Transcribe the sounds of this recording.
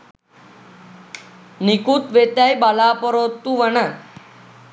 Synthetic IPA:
nikut̪ʋet̪ajbalapɔɾot̪ːuʋəna

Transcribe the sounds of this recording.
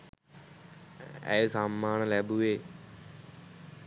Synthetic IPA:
ɛ̰esaːmːaːnlɛːbuʋeː

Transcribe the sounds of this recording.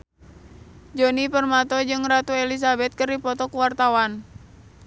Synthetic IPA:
d͡ʒonipərmat̪ɔd͡ʒɨŋrat̪uelis̬abɛt̪̚kɨrdipɔt̪ɔkuwart̪awan

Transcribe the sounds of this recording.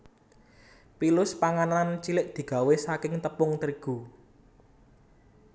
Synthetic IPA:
pilʊspaŋanant͡ʃilɪʔ̚d̪̥i̤ɡ̥a̤wesakɪŋt̪əpʊŋt̪əɾiɡ̥ṳ

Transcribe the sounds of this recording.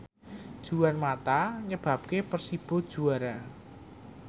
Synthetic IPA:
d̥ʒ̥uanmat̪aɲəb̥a̤p̚kepərsib̥o̤d̥ʒ̥ṳaɾa

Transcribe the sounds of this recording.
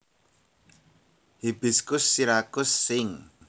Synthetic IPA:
hib̥i̤skʊsːiɾakʊsːɪŋ

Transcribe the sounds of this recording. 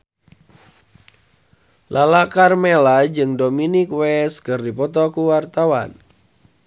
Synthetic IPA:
lʔalakarmelad͡ʒɨŋdominikwɛskɨrdipɔt̪ɔkuwart̪awa̰n

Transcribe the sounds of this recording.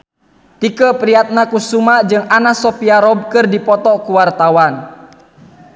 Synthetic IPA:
t̪ikəpɾiat̪̚nakusumad͡ʒɨŋanasɔpiaɾɔb̚kɨrdipɔt̪ɔkuwart̪awan

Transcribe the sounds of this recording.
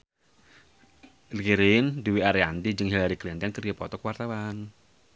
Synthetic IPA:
lkiɾinduwiaɾiand̪id͡ʒɨŋɦilaɾiklint̪ɔnkərijapɔ̰t̪ɔkəwart̪awan

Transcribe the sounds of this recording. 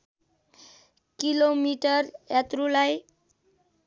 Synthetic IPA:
kilomiʈʌrjat̪rulaj

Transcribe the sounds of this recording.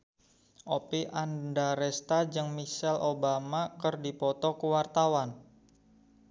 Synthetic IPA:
ʔopiʔandaɾɛst̪ad͡ʒɨŋmisɛlʔobamakərdipɔt̪ɔkuwart̪awan

